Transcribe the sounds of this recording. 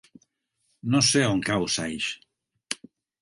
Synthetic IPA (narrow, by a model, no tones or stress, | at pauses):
noseoŋkawsajʃ